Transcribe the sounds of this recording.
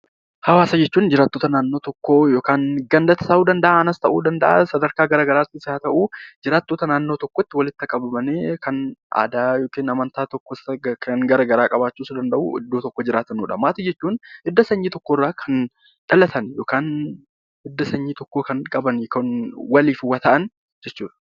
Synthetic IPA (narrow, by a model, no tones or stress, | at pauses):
hɐwaːsɐd͡ʒɛt͡ʃːuːnd͡ʒɪɾaːt̪ːoːt̪ɐnaːnːo̞ːt̪ɔkːoːjoːkaːnɡɐnd̪ɐt̪ɐ̥sɐʔuːd̪ɐnd̪ɐʔaːɐnɐst̪ɐʔṵːd̪ɐnd̪ɐʔa̰sɐd̪ɐɾkaːɡɐɾaːɡɐɾaːt̪ːɪsɪaːt̪ɐʔuːd͡ʒɪɾaːt̪ːoːt̪ɐnaːnːo̞ːt̪ɔkːot̪ːɪwɐlɪt̪ːɐkʼɐbɐmɐneːkʰɐna̰ːd̪aːjoːkeːnɐmɐnt̪aːt̪ɔkːɔsɐkʰɐnɡɐɾɐɡɐɾaːkʼɐbaːt͡ʃːuːsʊd̪ɐnd̪ɐʔṵɪ̰d̪ːoːt̪ɔkːod͡ʒɪɾaːt̪ɐnuːᶑɐmaːt̪ɪd͡ʒɛt͡ʃːuːnɪd̪ːɐsɐɲːiːt̪ɔkːoːrːaːkʰɐn | ᶑ̥ɐlɐt̪ʰɐnjo̞ːkaːn | ɪd̪ːɐsɐɲːiːt̪ɔkːoːkɐnkʼɐbɐnkɐnwɐliːfɪwɐt̪ɐʔɐn | d͡ʒɛt͡ʃːuːᶑɐ̥